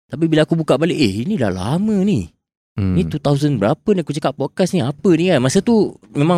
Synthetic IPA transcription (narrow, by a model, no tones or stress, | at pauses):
t̪ap̬ibilaakubukaʔbaleʔeinila̰hla̰mə̃ni | nit̪ut̪auzənbəɾapəniakut͡ʃəkaʔ̚pːɔkasniapənikanmasət̪umẽma